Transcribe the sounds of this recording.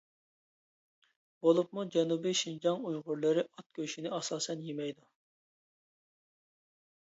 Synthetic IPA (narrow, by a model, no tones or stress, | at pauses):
bolˠup̚mud͡ʒɛnubiʃind͡ʒɑŋujʁʊɾlˠɨɾɪʔɑt̪̚kʲʰøʃinɪɑsɑːsɛnjemɛjd̪u